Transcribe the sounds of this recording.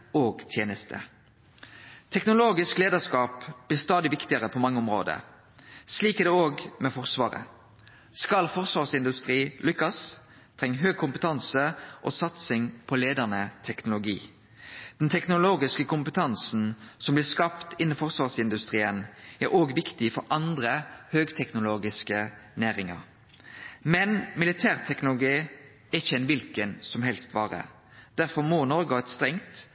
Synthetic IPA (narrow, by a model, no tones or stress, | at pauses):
oːɡt̪ʰjeːnəst̪ʰə̰ | t̪ʰɛknʊloːɡɪskleːd̪əskɑːpb̥lɪːʁst̪ɑːd̪ɪʋɪkt̪ɪəʁəpʰɔmɑŋːəɔmɾo̰ːd̪ə̰ | sliːkɛd̪ɛoːɡmɛfɔʁsʋɑ̰ːʁə̰ | skɑlfɔʁsʋɑːʁsɪnd̪ʉst̪ʁiːlʏkːɑs | t̪ʰʁɛŋːɦøːɡ̚kʰʊmpət̪ʰɑnsəʔo̰ːsɑt̪sɪŋpʰɔleːd̪əʁnət̪ʰɛknʊlʊɡḭː | d̪̥ɛnt̪ʰɛknʊloːɡɪskəkʊmpət̪ʰɑnsn̩sɔmblɪːʁskɑpt̪ɪnːəfɔʁsʋɑːʁsɪnd̪ʉst̪ʁiːənæɾoːɡʋɪkt̪ɪfɔɾʔɑnd̪ɾəhøːɡt̪ʰɛknʊloːɡɪskənæːɾɪŋɑ̰ɾ | mɛnmɪlɪt̪ʰæːʁt̪ʰɛknʊlʊɡiː | æɪçːəɛnʋɪlkənsɔmɦɛlst̪ʋɑːʁə̰ | d̪̥æʁfɔʁmoːnɔɾɡʊɑt̪st̪ʁɛŋt̪